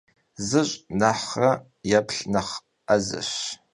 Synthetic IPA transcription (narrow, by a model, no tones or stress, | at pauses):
zɨɕʼnaħɐ | japʰɬnɐχ | azɨ̰ɕ